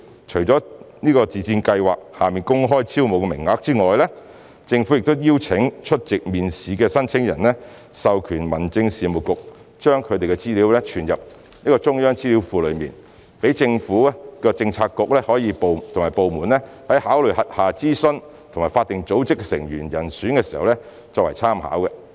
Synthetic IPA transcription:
t͡ʃʰɵ˨˩ɥt͡ʃɔː˨˥niː˥kɔː˧t͡siː˨t͡siː˧nkɐ˧jwaː˨k̚haː˨˩miː˨nkʊ˥ŋɦɔː˥jt͡sʰiː˥wmo˨˧wkɛ˧mɪ̰˨˩ŋŋaː˧k̚t͡siː˥ŋɔː˨jlɛː˥ | t͡sɪ˧ŋfu˨˥jɪ˨k̚t̪ʊ˥wjiː˥wt͡sʰɪ˨˥ŋt͡ʃʰɵ˥t̚t͡sɪ˨k̚miː˨nsiː˨˧kɛː˧sɐ˥nt͡sʰɪ˥ŋjɐ̰˨˩nlɛ˥ | sɐ˨wkʰyː˨˩nmɐ˨˩nt͡sɪ˧ŋsiː˨mʊ˨t̚kʊ˨k̚ | t͡ʃœː˥ŋkʰɵ˧t̪e˨jkɛ˧t͡siː˥liː˨˥wlɛ˥t͡ʃʰyː˨˩njɐ˨p̚ | niː˥kɔː˧t͡sʊ˥ŋjœː˥ŋt͡siː˥li˨˥wfuː˨˧lɵ˨˧ɥmḭː˨n | pe˨˥jt͡sɪ˧ŋfuː˨˥a˥kɔː˧t͡sɪ˧ŋt͡sʰaː˧kːʊ˨k̚lɛː˥hɔː˨˥jiː˨˧po˨t̪ʰʊ˨˩ŋmaː˨˩jpo˨wmuː˨˩nlɛ˥ | hɐ˨˥jhaː˨˥wlɵ˨˩ɥhɐ˨t̚haː˨t͡siː˥sɵ˥n | t̪ʰo˨˩ŋmaː˨˩faː˧t̪ːɪ˨ŋt͡so˨˥wt͡sɪ˥k̚sɪ˨˩ŋjyː˨˩njɐ˨˩nsyː˨˥nkɛː˧si˨˩hɐ̰˨wlɛ˥ | t͡sɔː˧k̚wɐ˨˩jt͡sʰaː˥mha̰ː˨˥wkɛ˧

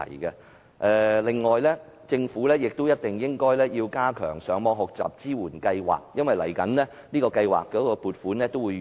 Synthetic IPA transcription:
ɐ̰˨˩jkɛ˧ | ʔɛː˨˧lɪ˨ŋːɔː˨jlɛː˥ | t͡sɪ˧ŋfuː˨˥lɛː˥jɪ˨k̚t̪o˥wjɐ˥t̚t̪ɪ˨ŋjɪ˥ŋkɔː˥jlɛː˥jiː˧wkaː˥kʰœː˨˩ŋsœː˨˥ŋmɔː˧ɦɔ˨k̚t͡sa̰ː˨p̚t͡siː˥wuː˨˩nkɐ˧jwa̰ː˨k̚jɐ˥nwɐ˨jlɐ˨˩jkɐ˨˥nlɛː˥ | niː˥kɔː˧kɐ˧jwa̰ː˨˩k̚kɔː˨˥kɔː˧puː˨t̚fuː˨˥nlɛː˥t̪o˥wuː˨˧

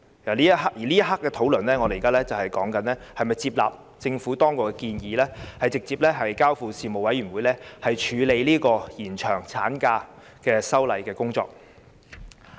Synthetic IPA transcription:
ɐ˨˩liː˥ɐ˥ɦa˥kjiː˨˩liː˥jɐ˥t̚ɦa˥kːɛː˧t̪ʰo˨˥wlɵ˨˩nlɛː˥ŋɔː˨˧le˨˩˨kaː˥lɛː˥t͡sɐ˨whɐ˨˩jkɔː˨˥ŋkɐ˨˥nlɛː˥hɐ˨jmɐ˨jt͡siː˧p̚la̰ː˨p̚ | t͡sɪ˧ŋfuː˨˥t̪ɔː˥ŋkʊ˨kːɛ˧kiː˧njiː˨˧lɛː˥hɐ˨jt͡sɪ˨k̚t͡siː˧p̚lɛː˥ɦɐ˨jkaː˥wfuː˨˧siː˨˩mo˨˩wɐ˨˥jɥyː˨˩nwuː˨˧jlɛː˥hɐ˨jt͡ʃʰyː˨˧le˨˧jliː˥kɔː˧jiː˨˩nt͡ʃʰœː˨˩ŋt͡sʰaː˨˥nkaː˧ | kɛː˧sɐ˥wlɐ˨˧jkɛː˧kʊ˥ŋt͡sɔ̰ː˧k̚

